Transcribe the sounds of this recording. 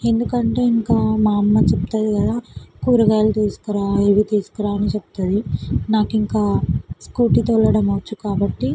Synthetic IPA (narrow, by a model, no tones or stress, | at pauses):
e̞nd̪ukɐɳʈe̞ːiŋkaːmaːmːɐt͡ʃeput̪aːd̪ikɐd̪akuːɾɐɡaːlɐt̪iːsu̥kuɾaːeːʋit̪iːsu̥kɐɾaːɐnit͡ʃeput̪ad̪inaːkiŋkaːskuːʈit̪olɐɽɐmɐʋɐt͡ʃːukaːbɐʈːi